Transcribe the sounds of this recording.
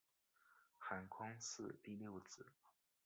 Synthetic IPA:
xa˨˩nkʰwɑ˥ŋsɹ̩˥˧t̪i˥˧ljo˥˩ʊt͡sɹ̩˨˩˦

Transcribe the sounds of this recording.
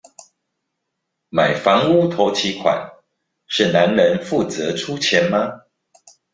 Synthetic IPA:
ma˨˩ɪfɑ˧˥ŋu˦t̪ʰo˧˥ʊt͡ɕʰi˧˥kʰwa̰˨˩n | ʂɻ̩˥˩na˨˦nnə˧˦nfu˥˨t͡sɤ˨˧˦ʈ͡ʂʰu˥t͡ɕʰjɛ˨˦nma˧

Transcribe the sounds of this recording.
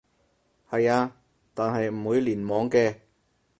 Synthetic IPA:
hɐ˨jaː˧ | t̪aː˨nɦɐ˨jm̩˨˩wuː˨˧jliː˨˩nmɔː˨˥ŋkɛː˧

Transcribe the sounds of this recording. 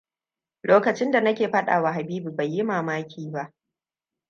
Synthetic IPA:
loː˦kɐ˨t͡ʃɪ˦nda˨nɐ˦kʲeː˨ɸɐ˦ɗa̰ː˨wa˨ɦa˨biː˦bu˨ba˨jːɪ˦maː˨maː˦kʲʰiː˦ba˦ʔ

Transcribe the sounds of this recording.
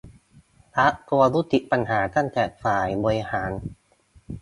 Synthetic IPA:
a˦˥ʔku˧ɐ˧lu˦˥t̪i˨˩ʔpa˧nhaː˩˦t̪a˥˩ŋt̪ɛː˨˩faː˨˩jbɔː˧ɾi˦˧haː˩˦n

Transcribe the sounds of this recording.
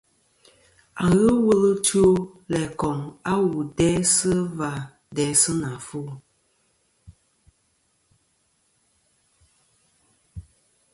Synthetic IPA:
a˨ŋ˦ɣə˦wə˦lɨ˦tu˦o˦ | lɛ˨kɔ˨ŋa˦wu˨dɛ˦sɨ˦va˨ | dɛ˨˦sɨ˦na˨fu˦˨

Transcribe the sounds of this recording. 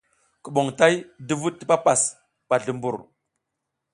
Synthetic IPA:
kə˨ɓo˨ŋta˦jdu˦vuː˦i˦pa˦pa˨s | pa˨ɮu˨mbu˨ɾ

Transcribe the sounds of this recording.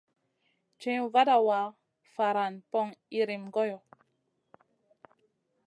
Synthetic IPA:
t͡ʃɛ̃˦u˦va˦da˨wa˨˦ | fa˨ɾa˨npɔ˦ŋi˦ɾi˨mɡɔ˦jɔ˨

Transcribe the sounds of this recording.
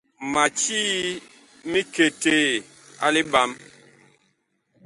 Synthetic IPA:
ma˨t͡ʃi˦ | mi˦ke˨te˨ | a̰˦li˦ba˦m

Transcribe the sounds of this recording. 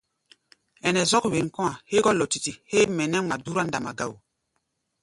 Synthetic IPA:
ɛ˨nɛ˨zɔ˦kwe˨nkɔ̃˦a˨he˦ɡɔ˦lɔ˨ti˨ti˨he˦mɛ˨nɛ˦ma˨du˦ɾa˦nda˨ma˨ɡa˦˨w

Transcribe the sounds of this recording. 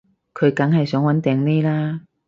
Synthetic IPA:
kʰɵ˨˧ɥkɐ˨˥ŋhɐ˨jsœː˨˥ŋwɐ˨˥nt̪ɛː˨˧ŋne˥jlaː˥

